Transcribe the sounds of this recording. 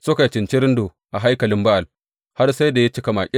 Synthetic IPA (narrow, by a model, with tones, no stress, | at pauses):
sʊ˦ka˨t͡ʃɪ˨nt͡ʃi˦ɾɪ˦ndoː˨ | ʔa˨ɦa˦jkɐ˨lɪ˦mba˦ʔa˨l | ha˦rsa˦jda˨ja˦t͡ʃɪ˦ka˨ma̰˨kʲʼɪ˦